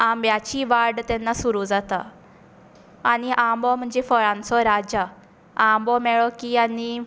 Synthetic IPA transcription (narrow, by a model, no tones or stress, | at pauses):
ambjat͡ɕiʋaɾɖt̪ɛnːasuɾud͡zat̪a | aniʔãmbɔm̤əɳd͡zefəɭãnt͡sɔɾad͡ʑa | ãmbɔmɛɭɔkiani